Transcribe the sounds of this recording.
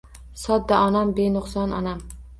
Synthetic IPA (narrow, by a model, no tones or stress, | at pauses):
sɒd̪ːaʔɒnambenʊχsɒnɒ̰nam